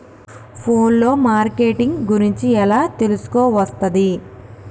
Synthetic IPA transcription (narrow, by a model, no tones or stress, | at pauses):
pʰoːnlo̞ːmaːɾkeːʈiŋɡɡuɾiɲt͡ʃiɛlaːt̪e̞lusu̥koːʋɐst̪ɐd̪i